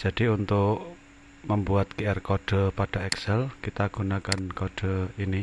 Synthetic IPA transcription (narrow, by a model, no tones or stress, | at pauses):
d͡ʒ̥a̤d̥iunt̪ʊʔʔ | məmbuat̪keɛrkɔɖ̥ɔ̤paɖ̥a̤ɛksɛlkit̪aɡ̥unakankɔɖ̥ɔ̤ini